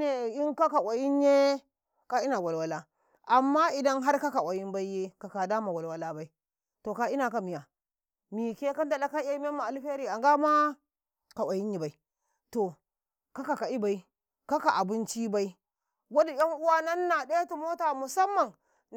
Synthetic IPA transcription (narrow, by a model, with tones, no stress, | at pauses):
ne˨i˦ŋka˦ka˨wa˨ji˦nje˦ | ka˦i˦na˨wa˨lwa˨la˦ | ʔa˨mːa˦i˨da˦nɦa˦ɾka˦ka˨wʷa˨ji˦nba˦i˦je˦ka˨ka˨da˦ma˨wa˨lwa˦la˦ba˨i˦ | to˨ka˨i˦na˨ka˨mi˨ja˨ | mi˨ke˦ka˦nta˨la˦ka˦e˦m˦e˦ma˨a˨lɸe˦ɾi˦˨a˨ŋɡa˦ma˦ | ka˨wʷʔa˨ji˦nji˨ba˨i˦ | to˨ | ka˦ka˨ka˨i˦ba˨i˦ | ka˦ka˨ʔa˨bi˦nt͡ʃi˦ba˦i˦ | ɡa˦di˨ja˦ŋʔu˦wa˦na˦nːa˨ɗe˦tu˨mo˦ta˨mu˨sa˦mːa˨n